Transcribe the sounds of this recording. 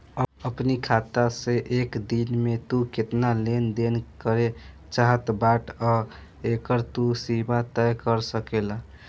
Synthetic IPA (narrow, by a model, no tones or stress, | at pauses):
əəpnikʰat̪aseʔekd̪inmet̪uket̪nalend̪enkəɾe | t͡ʃaɦət̪baʈʰa | ekəɾt̪usibat̪ɛjkəɾsəkela